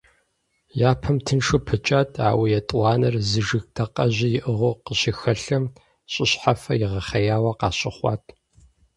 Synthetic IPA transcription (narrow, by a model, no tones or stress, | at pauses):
jaːpʰɐmtʰɨnʂɨpʰɨt͡ʃʼaːtʰa̰ːwijɛtʼwʷɑːnɐrzɨʒɨxdʰɐqʼɐʑijɪʔɨʁoqəɕixɐɬɐm | ɕʼɪɕħafɐ̰jɪʁɐχɐjaːwɐqɑ̰ːɕʼɪχʷɑ̰ːtʰʼ